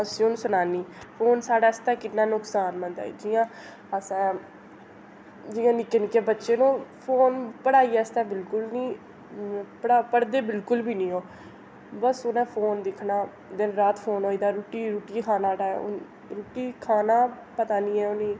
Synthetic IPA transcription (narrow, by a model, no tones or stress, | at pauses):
əsĩːonũsʊnaːniːpʰoːnsaːɖaːɪst̪ɛːkɪnːãːnʊksaːnmə̃nd̪a̰ːd͡ʒɪjãː | əsãː | d͡ʒɪjãːnɪkeːnɪkeːbətːʃeːnũːpʰoːnpəɽaːiːɛst̪aːbɪlkʊlnĩː | pəɽaːpəɽd̪eːbɪlkʊlbiːnĩːoː | bəsʊnẽːpʰoːnd̪ɪkʰnaː | d̪ɪnɾaːt̪pʰoːnɦoːiːd̪aːɾuːʈiːɾuːʈiːkʰaːnaːɖaːɛ̰ | ɾuːʈiːkʰaːnaː | pət̪aːnĩːɛːʊnĩː